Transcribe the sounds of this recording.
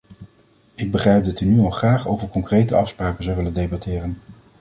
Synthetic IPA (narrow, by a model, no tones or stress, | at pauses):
ɪɡ̚bəχrɛjp̚dɑtynyɑlˠχraːχo̰wvəɹkɔŋkrejtəɑfspraːkənzɑwʋɪləndejbɑtɪːrən